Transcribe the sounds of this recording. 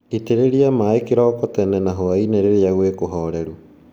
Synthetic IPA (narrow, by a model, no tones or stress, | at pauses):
iteɾeɾiamaikiɾɔːkotenenaɦoaineɾeɾiaɣwekoɦoɾeɾu